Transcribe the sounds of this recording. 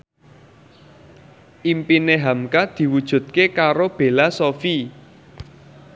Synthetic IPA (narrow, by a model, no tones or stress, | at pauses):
ʔimpineɦamkad̪̥i̤wud̥ʒ̥ṳt̪̚kekaɾob̥e̤lasofi